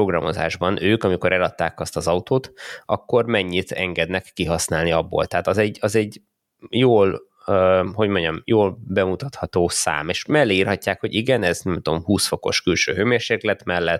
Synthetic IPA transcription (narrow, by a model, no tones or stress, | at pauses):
oɡrɒmo̞̰za̰ːʒbɒnʔøːkɒmiko̞ɾʔɛlɒt̪ːaːkɒst̪ɒzɒut̪oːt̪ʔɒkːo̞rmɛɲːit̪ʰɛŋɡɛd̪nɛkːiɦɒsnaːlniɒbːo̰ːlt̪ɛɦaːt̪ɒzɛɟːɒzɛɟ | joːl | øho̞ɟmo̞ɲɟɒmjoːlbɛmut̪ɒt̪hɒt̪oːsa̰ːmeːʃmɛlːeirhɒcːaːkho̞ɟiɡɛnɛznɛmt̪o̞mhuːsfo̞ko̞̰ʃkylʃø̰ːɦøːmeːrʃeːklɛt̪mɛlːɛt̪